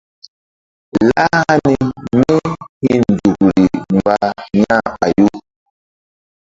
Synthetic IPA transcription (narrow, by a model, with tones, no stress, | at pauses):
la˦ha˦ni˨mi˦hi˦˨n˨d͡zu˨ɡu˨ɾi˨mba˦˨ɲa˦˨ɓa˨ju˦